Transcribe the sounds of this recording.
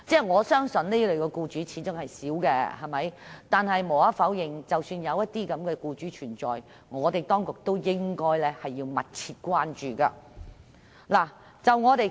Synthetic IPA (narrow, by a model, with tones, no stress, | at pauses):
t͡sɛː˥˩ŋɔː˨˧sœː˥ŋsɵ˨nne˥lɵ˨ɥkɔː˧kuː˧t͡ʃyː˨˥t͡sʰiː˨˥t͡sʊ˥ŋhɐ˨jsiː˨˥wkɛ˧hɐ˨˩jmɐ˨˥jt̪aː˨nhɐ˨jmo˨˩wɐ˨˥fɐ˨˥wjɪ˨ŋt͡sɐ˨wsyː˧njɐ˨˧wjɐ˥t̚t̪iː˥kɐ˨˧˥mkɛː˧kuː˧t͡ʃyː˨˥t͡ʃʰyː˨˩nt͡sɔ̰ː˨˩j | ŋɔː˨˧t̪e˨jt̪ɔː˥ŋkʊ˨k̚t̪o˥wjɪ˥ŋkɔː˥jlɛː˥hɐ˨jːiː˧wmɐ˨t̚t͡sʰiː˧t̚kʷaː˥nt͡ʃyː˨ka̰ː˧ | laː˨˩ | t͡sɐ˨wŋɔː˨˧t̪e˨j